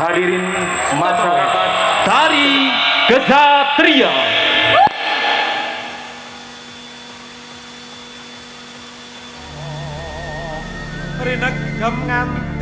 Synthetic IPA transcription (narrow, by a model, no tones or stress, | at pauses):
adiɾɪn | maʃaɾakat̪d̪̥aɾiɡ̥ə̥d͡ʒat̪ɾia | ɔ | pɾinək̚ɡ̥əmŋan